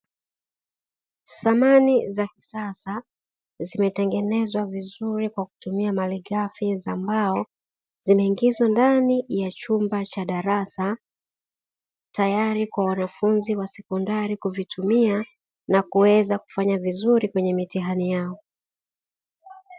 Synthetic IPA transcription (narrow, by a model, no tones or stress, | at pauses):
samanizaki̥sasa | zimɛtɛŋɡɛnɛzwavizuɾikwaku̥tumiamaliɠafizambaɔ | zimɛiŋɡizwandanijat͡ʃumbat͡ʃaɗaɾasa | tajaɾikwawanafunziwasɛkɔndaɾikuvitʰumia | nakuwɛzaku̥faɲavizuɾikwɛɲɛmitiɦanijaɔ